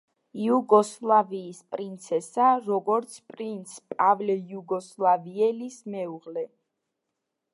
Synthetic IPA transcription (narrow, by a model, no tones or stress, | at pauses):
iuɡɔslˠaviːspʼɾint̪sʰɛsaɾɔɡɔɾt̪sʰpʼɾint̪sʰpʼavlɛjuɡɔslˠaviɛlismɛuʁlɛ